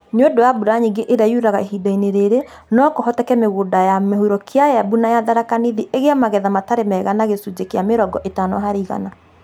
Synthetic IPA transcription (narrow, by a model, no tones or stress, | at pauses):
nodowabuɾaɲiŋɡeʔeɾajuɾaɣaeɦidaineɾeɾe | nɔkɔɦɔtɛkɛmeɣodajamehuɾɔkjajabunajaðaɾakaniðiʔeɣeamaɣɛðamataɾemɛɣanaɣesud͡ʒekeameɾɔɡɔʔetanɔɦaɾiɣa̰na